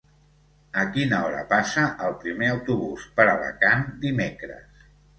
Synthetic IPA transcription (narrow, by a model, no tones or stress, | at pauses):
əkinəɔɾə̰pasəʔəlˠpɾimeəwt̪uβuspəɾələ̰kand̪imekɾə̰s